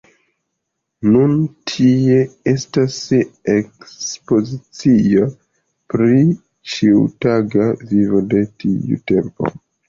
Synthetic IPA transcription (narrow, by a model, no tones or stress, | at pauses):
nuntʰie̞e̞stasekspo̞zit͡sio̞ | pɾi | t͡ʃiṵtaɡavivode̞tḭṵte̞mpo̞̰